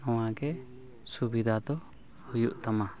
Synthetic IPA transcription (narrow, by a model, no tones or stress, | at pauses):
ɔw̃aɡɛ | subid̪ʱad̪ɔ | hujuʔt̪ama